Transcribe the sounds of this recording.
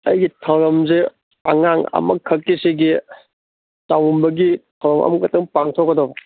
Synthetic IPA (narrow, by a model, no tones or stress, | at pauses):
ɐjɡitʰɐwɾɐmze | ɐŋaŋɐ̰mɐkʰːɐkːisiɡi | tawumbɐɡitʰɐwɾɐmɐ̰mɐkɐtːɐŋpaŋtʰokːɐdobɐ